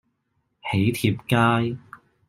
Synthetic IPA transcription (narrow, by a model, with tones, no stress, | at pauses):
he˨˥jt̪ʰiː˧p̚kaː˥j